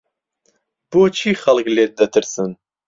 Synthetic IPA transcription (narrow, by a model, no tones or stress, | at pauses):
b̥oːt͡ʃʰiːxɐlkleːt̪̚d̪ɐt̪ʰɨɾsɨn